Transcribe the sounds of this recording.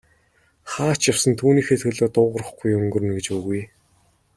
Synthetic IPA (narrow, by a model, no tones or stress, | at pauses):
χaːt͡ɕjawsə̆nt̪ʰuːniːxet̪xɵ̆ɮoːt̪ʊːʁə̆rə̆χɡujɵŋɡɵ̆r̆nɡĕt͡ɕpuːɣuj